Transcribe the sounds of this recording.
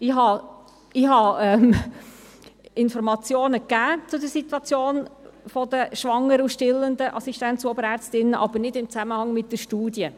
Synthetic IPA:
ɪɦɑ | ɪhɑɛm | ɪnfɔɾmɑt͡sjoːnəkːæːt͡sʊdəɾsit̪wɑt͡sjoːnfɔd̥̪əʃʋɑŋːəɾuʃtɪlːənd̪əʔɑsiʃtænt͡suɔbəɾæɾt͡stɪnəʔɑbəɾnɪdɪmt͡sæməhɑŋmɪt̚d̥əʃtuːdjə

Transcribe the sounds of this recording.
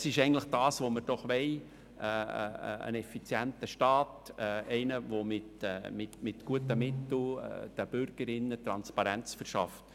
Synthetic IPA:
sɪʃɛɪɡntləχd̥ɑːsʋoməɾd̥ɔχʋɛɪ | ɛ̰ːə̰nɛfit͡sjæntəʃtɑːtɛɛɪnəvomɪtːmɪtmɪtɡ̥uətəmɪtl̩ɛ̰d̥əb̥ʏɾɡ̥əɾɪnːət̪ɾɑnspɑɾɛnt͡sfəɾʃɑ̰ft

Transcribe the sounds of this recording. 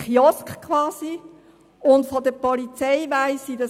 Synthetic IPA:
χjɔskkʰʋɑːsi | ʊntfɔdəpɔlit͡sɛɪʋaɪsidɑ

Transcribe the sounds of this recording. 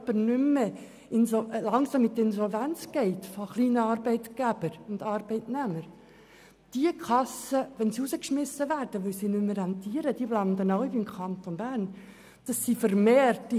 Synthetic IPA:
b̥əɾnʏmːə | ɪnlɑŋsɑmɪt̪ːəɪnsɔlvænt͡sɡ̥ɛɪt̪foχliːnəɑːɾbɛɪt̪ɡ̥æb̥əɾʊnd̥̪ɑːɾbɛɪtnæməɾ | d̥iəkʰɑsəʋɛnsiuzəkʃmɪsːəʋæːɾd̥əʋœlsinʏmːəɾɛnt̪iəɾəd̥iəblɑnd̪ənɔʊibimkʰɑnt̪onbæːɾn | d̥ɑsːifəɾmeːrtː

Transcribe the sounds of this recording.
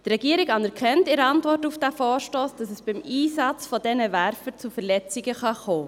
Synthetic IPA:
d̥rɾɛɡ̥iəɾɪkɑnɛɾkʰɛntɪɾəɑntvɔrtufd̥æfɔːɾʃtoːsd̥ɑsɛsb̥ɪmʔiːsɑt͡sfɔdɛnəvæɾfət͡sufɛɾlɛt͡sɪɡəχɑχoː

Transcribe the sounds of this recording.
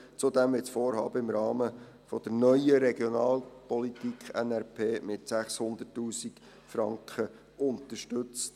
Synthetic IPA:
t͡sʊdɛmʋɪtsfoːɾhɑ̰ːbəɪmɾɑːmə | fɔd̥̪əɾnœʏəɾɛɡjɔnɑːlpɔlitikʰχɛnɛɾpʰeːmɪtsæχshʊnd̪ətːuːsik | fɾɑŋkχə | ʊnt̪əʃtʏt͡st

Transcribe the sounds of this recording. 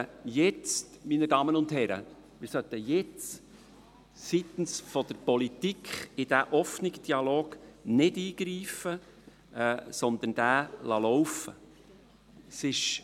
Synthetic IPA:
jɛt͡stminədɑːmənʊndhɛɾə̰ | mɪɾsœt̪ːəjɛt͡s | sit̪n̩sfɔd̪əɾpɔlit̪ikʰχɪd̥æʔɔfnɪkd̥iɑloːɡ̥nɪdiːɡ̥ɾiːfə | sɔnd̪ən̩d̥æːlɑlɔwfə | sɪʃ

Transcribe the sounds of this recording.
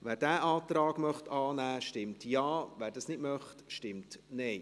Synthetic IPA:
ʋæːɾdæːʔɑːt̪ɾɑːɡ̥mœχtɑːnæːʃtɪmtjɑːʋæːɾdɑːsnɪdmœχtʃtɪmtnɛɪ

